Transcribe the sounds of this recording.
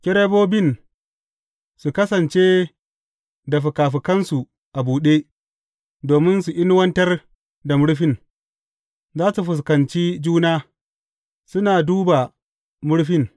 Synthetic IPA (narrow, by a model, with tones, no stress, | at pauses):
kʲɪ˦ɽe˦boː˦bɪ˦˨n | su˨kɐ˦sɐ˨nt͡ʃeː˦ | da˨ɸu˨kaː˨ɸ̬i˨kɐ˦nsu˨ | ʔa˨buː˨ɗeː˦ | doː˨mɪ˦nsu˨ʔʲɪ˦n˦wɐ˦ntɐ˦r | da˨mʊ˦ɽɸɪ˦n | zaː˦su˨ɸʊ˨s̬kɐ˨nt͡ʃiː˦d͡ʒuː˦naː˦ | sʊ˦naː˨duː˦ba˨ | mʊ˦ɽɸɪ˦n